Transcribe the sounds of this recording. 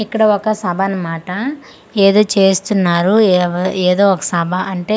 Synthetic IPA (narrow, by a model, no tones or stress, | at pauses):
ikːɐɽɐɔkɐsɐbʱanɐmaːʈɐ | eːd̪o̞ːt͡ʃeːst̪unːaːɾueːd̪o̞ːɔkɐ̥sɐbʱɐʔɐɳʈe̞ː